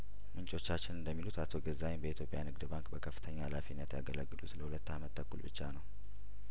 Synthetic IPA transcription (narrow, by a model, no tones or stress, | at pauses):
mɨnt͡ʃʼo̞t͡ʃːat͡ʃːɪnɨnd̪əmːilut̪at̪ʰo̞ɡəzːajnbəit̪jo̞pʼja̰nɨɡd̪ɨbaŋkʼbəkʰəfːɨt̪ʰəɲːaalafinːət̪jaɡələɡːɨlusɨləhulət̪ːamət̪ːʰəkːulbɨt͡ʃːanəw